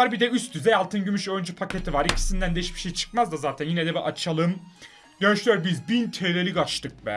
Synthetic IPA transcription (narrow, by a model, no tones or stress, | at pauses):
aɾbid̪ɛyst̪ʰyzɛjalˠt̪ʰɯnɟymyʃøjnd͡ʒypʰacet̪ʰivaɾicʰi̥sind̪ænd̪ejiʃbi̥ʃejt͡ʃʰɯ̥kmazd̪azaːt̪ʰænjinɛd̪ɛbɛʔat͡ʃʰalˠɯm | d̪̥ønyʃlʲyjoɾbizbint̪ʰelelʲiɡat͡ʃt̪ʰɯk̚bɛ̰